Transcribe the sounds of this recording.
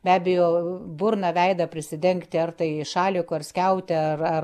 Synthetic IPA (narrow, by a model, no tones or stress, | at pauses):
bʲæːbʲɛjoːbʊrnɐʋʲɛɪd̪ɐpʲɾʲɪsʲɪd̪ʲɛŋkt̪ʲɪɐrt̪ɐɪʃɑːlʲɪkʊɐɾsʲkʲɛʊt̪ʲɪɐrɐ